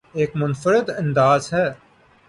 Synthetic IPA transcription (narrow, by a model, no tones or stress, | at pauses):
eːkmʊnfəɾɪd̪ə̃nd̪aːzɦɛː